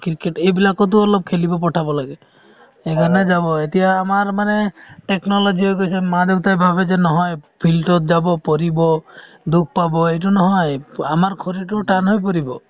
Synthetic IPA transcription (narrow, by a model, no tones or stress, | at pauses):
kiɾkeʈebilakɔt̪̬uɔlɔb̚kʰelibɔpɔʈʰabɔlaɡe | eɡʱɔned͡ʒabɔet̪iaːmaɾmaneʈeknɔlɔd͡ʒiɔɡojsemad̪ebt̪ajbʱabed͡ʒenɔɦɔjpʰilʈɔtd͡ʒabɔpɔɾibɔ | d̪uk̚ʰpabɔejʈ̬unɔɦɔjamaɾkʰoɾiʈuʈanɦɔjp̬ɔɾibɔ